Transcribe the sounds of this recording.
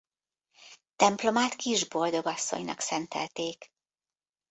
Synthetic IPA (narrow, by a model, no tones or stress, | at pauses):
t̪ɛmplo̞maːt̪kiʒbo̞ld̪o̞ɡɒsːo̞̰ɲnɒ̰ksɛnt̪ɛ̰lt̪eːk